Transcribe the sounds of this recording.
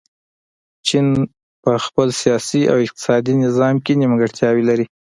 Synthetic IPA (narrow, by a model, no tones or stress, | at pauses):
t͡ʃin | pəxpəlsijɑsia̰wɪq̚t̪ɪ̥sɑd̪inɪzɑmkeniməɡəɽt̪jɑwelaɾi